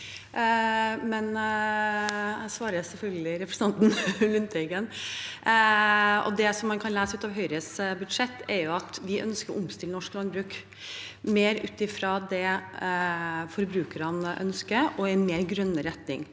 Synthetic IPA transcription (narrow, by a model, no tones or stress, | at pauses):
mɛn | sʋɑːɾəsɛfœlɡəlɪɾɛpɾə̥sɑnt̪n̩lʉnt̪ɛɡən | ɔ̰d̪ɛsɔmːɑnkʰɑnlæːsəʉːt̪ɑʋɦœʏɾəsbʉd̪ʂɛt̪ːɛɾjʊɑt̪ʋɪʔœ̰nskəɾʔʊmst̪ɪlənɔʂklɑnbɾʉːk | meːɾʉ̰ːt̪ɪfɾɑd̪ɛ | fɔɾbɾʉːkəɾɑnʔœ̰nskəʔɔɛnmeːɾɡɾœnːəɾɛt̪nɪ̰ŋ